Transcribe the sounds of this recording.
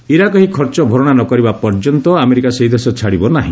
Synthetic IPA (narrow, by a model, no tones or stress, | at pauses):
iɾakɔɦikʰɔɾt͡ʃɔbʱɔɾɔɽ̃anɔkɔɾibapɔɾd͡ʒɔnt̪ɔameɾikaseɦid̪ʱesɔt͡ʃʰaɽibɔnaɦḭ̃